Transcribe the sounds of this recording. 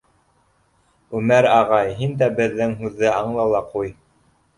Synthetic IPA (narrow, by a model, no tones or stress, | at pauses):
ʉmæɾɑʁɑjɦind̪æbɘ̆ðːɘŋɦʉðːɘɑɴlˠɑlˠɑquj